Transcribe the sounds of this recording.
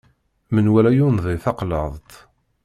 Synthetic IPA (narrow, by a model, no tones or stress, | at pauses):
mənwælæjunðˤiθɑqlə̰ðˤt̪